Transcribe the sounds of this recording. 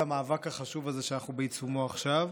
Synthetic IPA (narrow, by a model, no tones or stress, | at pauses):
amaːvakhaχaʃuvazeʃeanaχnubeit͡sumoaχʃav